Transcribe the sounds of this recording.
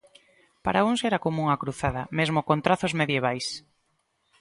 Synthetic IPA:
paɾaunsɛɾakomũŋakɾuθaðɐmezmokont̪ɾaθozmeðjeβ̞ajs

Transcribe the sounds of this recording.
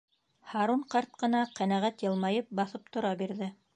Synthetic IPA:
hɑɾuɴqɑɾt̪̚qɤ̆nɑqænæʁæt̪jɤ̆lˠmɑjɤp̚bɑθɤp̚t̪ŏɾɑbiɾðɘ

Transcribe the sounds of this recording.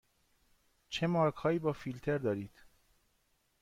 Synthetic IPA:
t͡ʃʰemɒːɡhɒːjiːbɒːfilt̪ʰeɾd̪ɒːɾiːd̪̥

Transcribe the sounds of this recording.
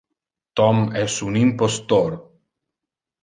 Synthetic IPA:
t̪ɔmɛsunimpost̪oɾ

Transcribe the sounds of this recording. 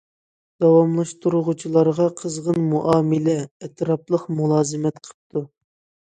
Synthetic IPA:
d̪̥ɑwɑmlˠɑʃt̪uɾuʁut͡ʃʰilˠɑɾʁɑqʰəzʁənmuʔɑːmɪlɛɛt̪ɾɑplˠəqmulˠɑːzɨmɛt̪qʰə̥p̚t̪ʰu

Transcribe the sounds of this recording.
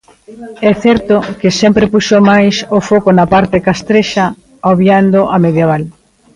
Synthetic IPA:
ɛθɛɾt̪okɪsɛmpɾepuʃomajsofokonapaɾt̪ekast̪ɾeʃa | oβjand̪oʔameðjeβ̞al

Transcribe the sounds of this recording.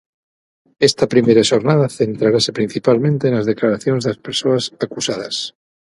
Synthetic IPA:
est̪apɾimeɾaʃoɾnað̞aθe̞nt̪ɾaɾase̞pɾin̟θipalmẽnt̪e̞ːnlazð̞e̞klaɾaθjonzðelaspeɾsoasakusað̞a̰s

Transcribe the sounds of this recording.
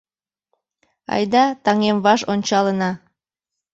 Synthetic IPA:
ɑ̰jd̪ɑt̪ɑŋemβɑʃonʲt͡ɕɑlənɑ

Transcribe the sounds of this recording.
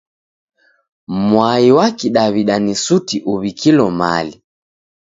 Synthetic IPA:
mwaiwakiɗaβiɗanisutiʔuβikilɔma̰li

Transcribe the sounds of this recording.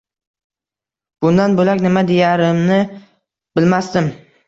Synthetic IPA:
b̥ʊnd̪anbolakʲnɪmad̪ejaɾɪmnɪ | b̥ɪlmast̪ɪm

